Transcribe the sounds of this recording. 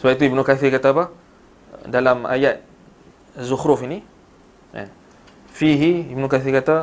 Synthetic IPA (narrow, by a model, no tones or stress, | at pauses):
səbap̚it̪̬uibnukaθikat̪apah | dalama̰jat̪̚ | zuhɾʊfini | a̰ | fiɦiibnũkaθikat̪a